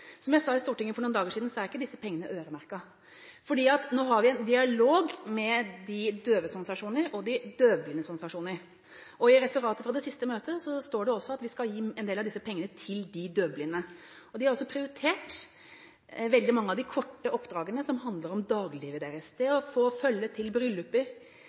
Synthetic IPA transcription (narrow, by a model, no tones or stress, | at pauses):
sɔmjæɪsɑɪst̪uːʈɪŋːəfɔɾɳuːnd̪ɑːɡəʂiːd̪n̩sɔæɾɪkːəd̪ɪsːəpʰɛŋːənəʔøːɾəmæɾkɑ | fɔɖiːɑt̪noːɦɑɾʋɪɛnd̪ɪɑloːɡmɛd̪ɪd̪øːʋəsɔnsɑʂuːnəɾɔd̪ɪd̪øːblɪnəsʊnsɑʂuːnəɾ | ʔɔɪɾɛfəɾɑːt̪əfɾɑd̪ɛsɪst̪əmøːt̪əsɔst̪oːɖɛɔsɔɑt̪ʋɪskɑljiːɛnd̪eːlɑʋd̪ɪsːəpʰɛŋːənət̪ʰɪld̪ɪd̪øːblɪnə | ɔd̪ɪhɑɾɔsːɔpʰɾɪʊɾɪt̪ʰeːʈ | ʋɛld̪ɪmɑŋːəɑʋd̪ɪkʰɔʈːəʔɔpd̪ɾɑːɡənəsɔmɦɑnd̪ləɾɔmd̪ɑːɡliːʋəd̪eːɾəst̪ʰɛɔfoːfœlːət̪ʰɪlbɾʏlːʉpːəɾ